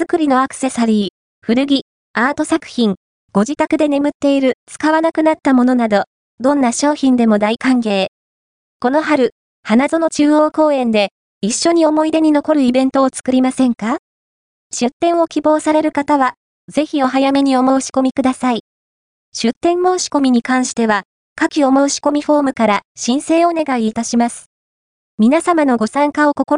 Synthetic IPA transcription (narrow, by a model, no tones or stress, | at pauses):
z̥ɨkɯ̟ɾʲino̞akɯ̥se̞saɾʲiː | ɸɯ̟ɾɯ̟ɡʲi | aːt̪o̞sakɯ̟̥çĩŋ | ɡ̥o̞ʑit̪akɯ̟d̪e̞ne̞mɯ̟t̪ːe̞iɾɯ̟t͡sɨ̥kaβanakɯ̟nat̪ːamo̞no̞nad̪o̞ | d̪õ̞nːaɕo̞ːçĩnd̪e̞mo̞d̪aikãŋɡe̞ː | ko̞no̞ɦaɾɯ̟ | hanazono̞t͡ɕɨːoːko̞ːẽ̞nd̪e̞ | iɕːo̞ɲ̟io̞mo̞id̪e̞ɲ̟ino̞ko̞ɾɯ̟ibẽ̞nt̪o̞ːt͡sɨ̥kɯ̟ɾʲimasẽ̞ŋka | ɕɨt̪ːẽ̞ɰ̃o̞kʲibo̞ːsaɾe̞ɾɯ̟kat̪aβa | ze̞çʲio̞ɦajame̞ɲ̟io̞mo̞ɯɕi̥ko̞mʲikɯ̟d̪asai | ɕɨt̪ːẽ̞mmoːɕi̥ko̞mʲiɲ̟ikãɰ̃ɕi̥t̪e̞βa | kakʲio̞mo̞ɯɕi̥ko̞mʲiɸo̞ːmɯ̟kaɾaɕĩɰ̃se̞ːone̞ɡaiːt̪aɕimasɨ̥ | mʲinasamano̞ɡo̞sãŋkao̞ko̞koɾ